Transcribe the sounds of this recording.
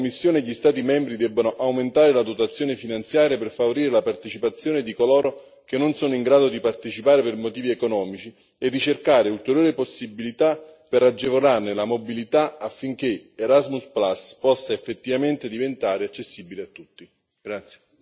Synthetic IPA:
omːisːjoːneʎist̪aːt̪imɛmbɾid̪ɛbːanoʔawment̪aːɾelad̪ot̪at̪sːjoːnefinant̪sjaːɾjaperfavoɾiːɾelapart̪et͡ʃipat̪sːjoːned̪ikolɔːɾo | k̟enːonsoːnoiŋɡɾaːd̪od̪ipart̪et͡ʃipaːɾepermot̪iːviekonɔːmit͡ʃi | erːit͡ʃerkaːɾeult̪eɾjoːɾeposːibːilit̪apeɾad͡ʒːevolarnelamobilit̪aafːiŋk̟eeɾazmusplaspɔsːaefːet̪ːivament̪ed̪ivent̪aːɾeat͡ʃːesːibileat̪ːut̪ːi | ɡɾat̪sje̥

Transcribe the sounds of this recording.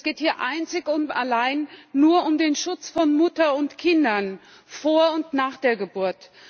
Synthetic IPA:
sɡ̥eːthiːɐʔaɪnt͡sɪçʊna̰laɪnːuːɐʔʊmdeːnʃʊt͡sfɔnmʏtɐʊntkʰɪndɐn | foːɐʊntnaːχd̥eːɐɡəbuɐt

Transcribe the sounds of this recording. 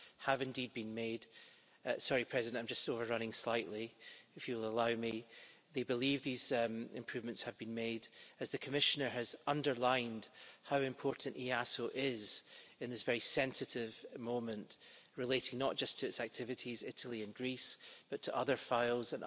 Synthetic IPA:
həvɪ̃ndid̚bĩnmed̥ | sɔɹipʰɹ̥ɛzɪdɨ̃nãɪ̃md͡ʒʌstovə˞ɹʌñɪ̃ŋslˠaɪʔlˠiɪfjəwɪlˠəlˠaʊmiðebɪlˠivðizɪ̰̃mpʰɹ̥ʉvmə̃ntshəvbĩnmedɨzðɨkʰəmɪʃənə˞ɨzʌ̃ndə˞lˠãɪ̃nd̥haʊɨ̃mpʰɔɹʔn̩ʔiasoʔɪzɪ̃nðɪsv̥ɛɹisɛ̃nsɨʔɪvmõmə̃nʔɹɪlˠeʔɪ̃ŋnəʔ̚d̥ʒ̥ʌstʰəɪtsak̚tʰɪvɨʔizɪʔəl̩ˠiɨ̃nɡɹisb̥ʌtʰəʔʌðə˞faɪlˠzə̃n

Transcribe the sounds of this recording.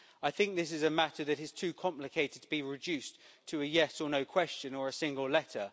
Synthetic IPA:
aɪθɪ̃ŋk̚ðɪsɪzəmatʰəðətɪz̥tʰʉːkʰɒ̃mplɪkʰeɪtɪd̚tʰəbiɹɪd͡ʒʉˑstʰəːjɛsənəʊkʰw̥ɛst͡ʃə̃nəɹəsɪ̃ŋɡəlˠlɛtʰə

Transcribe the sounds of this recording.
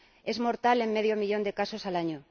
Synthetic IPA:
ezmoɾt̪alemmeð̞jomiʎond̪ekasosalaɲo

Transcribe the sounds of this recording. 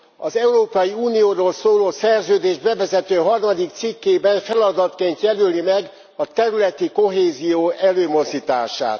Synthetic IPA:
ɒzɛuɾoːpɒjiuːnijoːɾoːlsoːloːsɛrzøːd̪eːʒbɛvɛzɛt̪øːɦɒrmɒd̪ik̚t̪sikːeːbɛnfɛlɒd̪ɒt̪keːnt̪jɛlølimɛɡ | ɒt̪ɛɾylɛt̪iko̞ɦeːzijoːʔɛløːmo̞zd̪it̪aːʃa̰ːt̪

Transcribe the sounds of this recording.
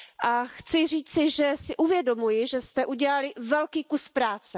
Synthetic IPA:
ʔaxt͡sɪr̝iːt͡sɪʒɛsɪʔuvjɛdo̞mujɪʒɛst̪ɛʔuɟɛlalɪvɛlkiːkuspɾaːt͡sɛ

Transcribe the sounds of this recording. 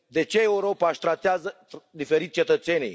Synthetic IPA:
d̪e̞t͡ʃe̞ːuɾo̞paʃt̪ɾat̪eazə | d̪ife̞ɾit̪ʲt͡ʃe̞t̪ət̪se̞nʲḭj

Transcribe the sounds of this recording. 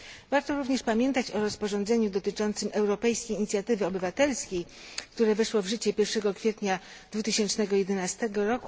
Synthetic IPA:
vaɾt̪ɔɾuvɲɛʂpamʲjɛnt̪at͡ɕɔɾɔspɔʐɔnd̪zɛɲud̪ɔt̪ɘt͡ʂɔnt̪sɘmɛwɾɔpɛjskʲejiɲit̪sʲjat̪ɘvɘɔbɘvat̪ɛlskʲejkt̪uɾɛvɛʂwɔvʐɘt͡ɕɛpʲjɛɾfʂɛɡɔkfʲjɛt̪ɲad̪̥vut̪ɘɕɛnt͡ʂnɛɡɔjɛd̪ɛnast̪ɛɡɔɾɔku

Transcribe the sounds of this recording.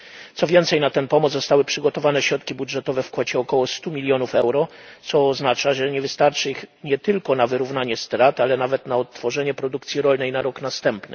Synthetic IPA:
t̪sɔvʲjɛnt̪sɛjnat̪ɛnpɔmɔzɔst̪awɘpʂɘɡɔt̪ɔvanɛɕɾɔt̪kʲibudʐɛt̪ɔvɛfkwɔt͡ɕɛɔkɔwɔst̪umʲilʲjɔnufɛwɾɔt̪sɔːznat͡ʂaʐɛɲɛvɘst̪aɾt͡ʂɘixɲɛt̪ɘlkɔnavɘɾuvnaɲɛst̪ɾat̪alɛnavɛt̪naɔt̪ːfɔʐɛɲɛpɾɔd̪ukt̪sʲjiɾɔlnɛjnaɾɔknast̪ɛmpnɘ

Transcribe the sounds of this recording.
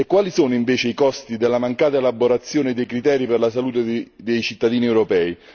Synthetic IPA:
ekːwaːlisoːnʊiɱveːt͡ʃeikɔst̪id̪elːamaŋkaːt̪aelaboɾat̪sːjoːnɪd̪ejkɾit̪ɛːɾiperlasaluːt̪ed̪ejt͡ʃit̪ːad̪iːniewɾɔpɛːi

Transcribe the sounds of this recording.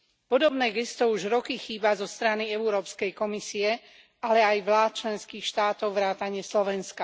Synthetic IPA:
pɔd̪ɔbnɛːɡɛst̪ɔuʒɾɔkixiːbazɔst̪ɾaniɛuɾɔːpskɛjkɔmisiɛ | alɛajʋlaːt̪̚t͡ʃlɛnskiːxʃt̪aːt̪ɔʊʋɾaːt̪aɲɪɛslɔʋɛnska

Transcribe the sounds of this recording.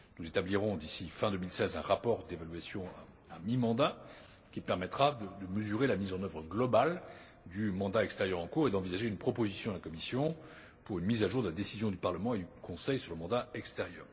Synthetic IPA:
nuzet̪abliʁɔ̃d̪isifɛ̃d̪ømilsɛzɛ̃ʁapɔʁd̪evalɥasjɔ̃aː | mimɑ̃d̪a | kʲipɛʁmɛt̪χad̪əd̪əməzyʁelamizɑ̃nœvʁəɡlɔbal | d̪ymɑ̃d̪aɛkst̪ɛʁjœʁɑ̃kuʁed̪ɑ̃vizaʒeynpχɔpozisjɔ̃d̪əlakɔmisjɔ̃ | puʁynmizaʒuʁd̪əlad̪esizjɔ̃d̪ypaʁləmɑ̃ed̪ykʰɔ̃sɛjsyʁləmɑ̃d̪aɛkst̪ɛʁjœ̰ːʁ

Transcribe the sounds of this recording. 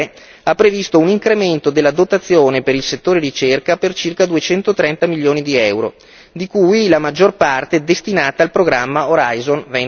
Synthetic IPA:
apːɾevist̪ouniŋkɾement̪od̪elːad̪ot̪at̪sːjoːnepeɾilset̪ːoːɾeɾit͡ʃerkapert͡ʃirkad̪uet͡ʃɛnt̪ot̪ɾɛnt̪amiljoːnid̪iɛwɾo̰ | d̪ikujlamad͡ʒːorpart̪ed̪est̪inaːt̪aːlpɾoɡɾamːaoɾajzonven

